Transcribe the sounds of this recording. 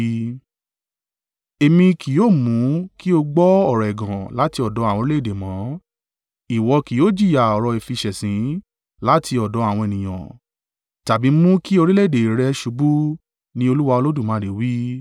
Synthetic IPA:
e˧mĩ˧kʰi˨joː˦˨mũ˨˦ki˦o˧ɡ͡bɔ˦ɔ˦˨ɾɔ˨ɛ˨ɡã˨la˨˦ti˧ɔ˨dɔ˨˦a˦˨w̃ɔ̃˧ɾi˦e˦˨de˨mã˨˦ | i˨wɔ˧ki˨joː˦d͡ʒi˦˨ja˨ɔ˨ɾɔ˧e˨fi˧ʃɛ˨sĩ˨˦ | la˨˦tʰi˧ɔ˨dɔ˨˦a˦˨w̃ɔ̃˧e˨nĩ˨j̃ã̰˨ | ta˨bi˨˦mũ˦ki˦o˧ɾi˦le˦˨de˨ɾɛ˧ʃu˧bu˦ | nĩ˦o˧lu˦wa˧o˧lo˦du˦˨mã˨˧˨e˨˦wi˦

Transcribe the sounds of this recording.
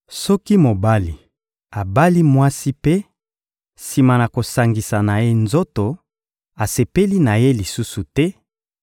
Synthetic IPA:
sɔ˦ki˦mo˨ba˦li˨ | a˨ba˦li˦mwa˦si˦pe˦ | si˨ma˨na˨ko˨sa˨ŋɡi˨sa˨na˨je˦nzo˦to˨ | a˨se˨pe˦li˦na˨je˦li˨su˦su˨tɛ˦

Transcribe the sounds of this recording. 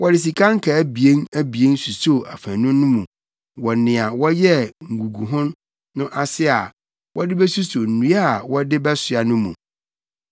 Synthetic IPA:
wʔɔ˦dɪ˨s̬i˨kʰã˦ŋ˦kʰa˨æ˦bi˨e˦næ˦bi˨e˦n˦su˨so˦˨ʔa˨fæ̃˨nʊ̃˦nːʊ̃˦mũ˨ | wɔ˨nɪ̃˨a˨wɔ˦jɛ˦ŋ̩˨ɡu˨ɡu˨ɦʊ̃˦nː | ʊ̃˦ʔa˦sɪ˦a˨ | wɔ˦dɪ˦bɛ˦su˦so˨n̩˨nũ˨˦a˦a˨wɔ˦dɪ˦bɛ˦sʊ˨a˨nʊ̃˦mṵ̃˨

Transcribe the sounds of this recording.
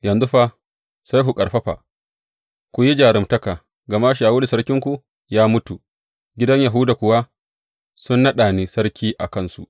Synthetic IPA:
jɐ˨nzʊ˦ɸa˦ | sa˦jɦu˨kʼɐ˨ɽɸɐ˦ɸa̰˨ | kʷu˨ji˦d͡ʒaː˨ɾɪ˨mtɐ˦ka˨ | ɡɐ˨ma˦ʃ̬aː˨wʊː˦li˨sɐ˦ɾkʲɪ˦ŋkʷu˨ | jaː˦mʊ˦tu˨ | ɡʲɪ˦dɐ˦ɲja˨ɦʊ˦da˨kʷʊ˨wa˦ | sʊ˦nːɐ˦ɗaː˨ni˦sɐ˦ɽkʲiː˦ʔa˨kɐ˦˨nsṵ˨

